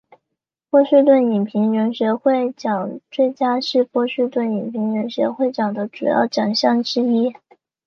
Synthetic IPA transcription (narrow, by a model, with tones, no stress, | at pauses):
pwɔ˥˧ɕy˥˧t̪wə˥˩ni˨˩npʰi˧˥ŋɻə˧˥nɕɥɛ˧˥xwe˥˩ɪt͡ɕjɑ˨˩ŋt͡swe˥˩ɪt͡ɕja˥ʂɻ̩˥˧pwɔ˥˧ɕy˥˧t̪wə˥˩ni˨˩pʰi˧˥ŋɻə˧˥nɕɥɛ̰˧˥xwe˥˩ɪt͡ɕɑ˨˩ŋd̪ə˦ʈ͡ʂṵ˨˩jɑ̰˥˩ʊt͡ɕjɑ˨˩ŋɕjɑ˥˩ŋʈ͡ʂɻ̩˥i˥